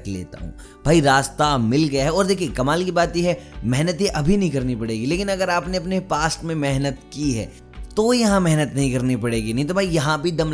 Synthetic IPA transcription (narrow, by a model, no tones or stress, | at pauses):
lḛːt̪a̰ɦṵ̃ː | b̥ʱaːiɾaːst̪amɪlɡɐjaɦɛɔːɾd̪eːkʰiekɐmaːlkibaːt̪iɦɛmɛɦnət̪iʔɐbʱinɐɦĩkɐɾnipɐɽeːɡileːkɪnɐɡəɾaːpneɐpnepaːsʈmẽmɛɦnət̪kiɦɛ̰ː | t̪ojɐɦãmɛɦnət̪nɐɦĩkɐɾnipɐɽeːɡinɐɦĩt̪obʱaijɐɦãbʱid̪ɐm